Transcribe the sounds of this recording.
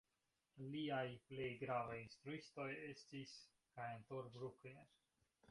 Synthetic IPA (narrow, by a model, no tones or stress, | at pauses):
liajple̞jɡɾavajinst̪ɾuisto̞je̞stis | kajentoɾbɾukleɾ